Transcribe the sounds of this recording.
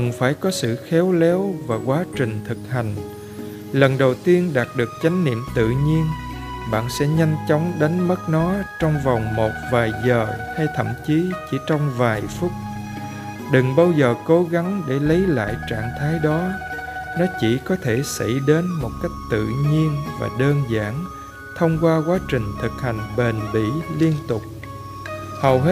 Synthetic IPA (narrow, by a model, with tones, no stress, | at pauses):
ə˨˩nfaː˧˩jkɔ˨˦sɨ̰˧˨xɛ˨˦wlɛ˨˦wvaː˨˩kwaː˨˦t͡ɕï˨˩ŋ̟t̪ʰɨ˨˩k̚ha˨˩jŋ̟ | lə˨˩nɗə˨˩wt̪i˧ənɗaː˨˩t̚ɗɨ˨˩ək̚t͡ɕa˨˦jŋ̟nḭ˧˨əmt̪ɨ̰˧˨ɲi˧ən | ɓa̰ː˧˨nsɛ̰˧˥ɲa˧jŋ̟t͡ɕɔ˨˦wŋ͡mɗa˨˦jŋ̟mə˦˥t̚nɔ˨˦t͡ɕɔ˧wŋ͡mvɔ˨˩wŋ͡mmo˨˩t̚vaː˨˩jzəː˨˩ha˧jt̪ʰə̰˧˨mt͡ɕi˨˦t͡ɕi˧˩t͡ɕɔ˧wŋ͡mvaː˨˩jfʊ˦˥t̚ | ɗɨ˨˩ŋɓaː˧wzəː˨˩ko˨˦ɣa˨˦ŋɗe˧˩lə˨˦jla̰ː˧˨jt͡ɕa̰ː˧˨ŋt̪ʰaː˨˦jɗɔ˨˦nɔ˨˦t͡ɕi˧˩kɔ˨˦t̪ʰe˧˩sə̰˧˩jɗe˨˦nmo˨˩t̚ka˦˥jk̟̚t̪ɨ̰˧˨ɲi˧ənva̰ː˨˩ɗəː˧nza̰ː˧˥n | t̪ʰə˧wŋ͡mkwaː˧kwaː˨˦t͡ɕï˨˩ŋ̟t̪ʰɨ˨˩k̚ha˨˩jŋ̟ɓe˨˩nɓḭ˧˥li˧ənt̪ʊ˨˩k͡p̚ | hə˨˩whe˦˥